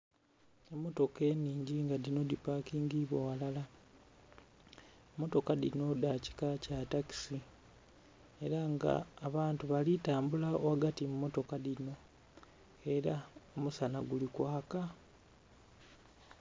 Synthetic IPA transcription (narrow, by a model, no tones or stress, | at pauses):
emːo̞to̞ke̞niːɲɟiŋɡadino̞dipakiːŋɡiβowalala | emːo̞to̞kadino̞daci̥kacataki̥si | e̞ɾaŋɡa̰ːβaːntuβalitaːmbulaowaɡatimumːo̞to̞kadino̞ | e̞ɾaomusanaɡulikwaːka